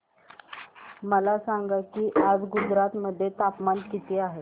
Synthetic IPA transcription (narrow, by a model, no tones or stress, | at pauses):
məlasaŋɡakiːʔad͡zɡud͡zɾat̪məd̪ʱːjet̪apmankit̪iːaɦe